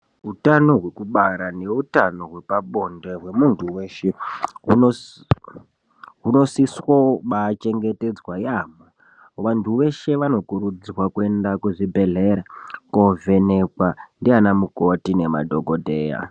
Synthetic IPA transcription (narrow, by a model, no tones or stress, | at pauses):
ɦutano̞ɦwe̞kuɓaɾane̞utano̞ɦwe̞paɓo̞nde̞ɦwe̞muntʰuwe̞ːʃeuo | ɦuno̞siswomat͡ʃe̞ŋɡe̞te̞d͡zwajaːmo | ʋantʰuʋe̞ʃe̞ʋano̞kuɾud͡zwakue̞ndakwuʐibʱe̞ɮeɾakove̞nekwandianamuko̞tine̞ma̰dʱo̞ɡʱodʱeːja̰